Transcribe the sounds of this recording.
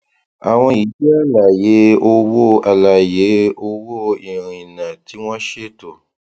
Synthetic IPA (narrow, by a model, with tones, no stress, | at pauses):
a̰˨w̃ɔ̃˧i˨˦bi˦a˦˨la˨je˨˦o˧wo˦a˨la˨je˨˦o˧wo˦i˨ɾ̃ĩ˨nã˨ti˨˦w̃ɔ̃˦ʃe˦to˨